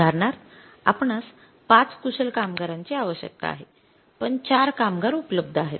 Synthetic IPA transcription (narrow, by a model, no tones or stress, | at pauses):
aɾɳaɾ | apɳas | pat͡skusəlkamɡəɾaɲt͡ɕiaʋəɕjə̰k̚t̪a̰a̰ɦe | pəɳt͡ɕaɾkamɡaɾupləb̚d̪ʱəaɦet̪̚